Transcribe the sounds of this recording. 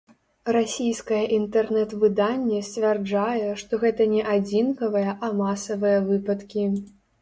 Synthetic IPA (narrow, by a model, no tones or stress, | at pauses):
rasʲijskɐjɐʔint̪ɛrnɛt̪vɨd̪anʲːɛsʲt͡sʲvʲɛrd͡ʐajɛʂt̪ɔɣɛt̪ɐnʲɛʔad͡zʲinkɐvɨjɐʔamasɐvɨjɐvɨpɐt̪kʲi